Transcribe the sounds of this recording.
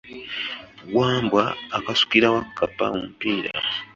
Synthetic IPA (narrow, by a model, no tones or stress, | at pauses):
ɡwaːmbwaːkasu̥kiɾawakːapa̰omupiɾa̰